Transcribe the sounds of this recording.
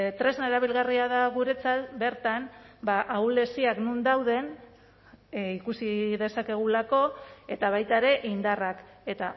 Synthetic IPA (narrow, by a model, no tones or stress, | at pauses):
t̪ɾe̞znaeɾaβ̞ilɣariaðaɣuɾe̞t͡sat̪be̞ɾt̪anbaʔawle̞siaknund̪awðe̞n | ikusiðe̞sake̞ɣ̞ulako̞e̞t̪aβ̞ajt̪aeɾe̞ʔind̪arake̞t̪a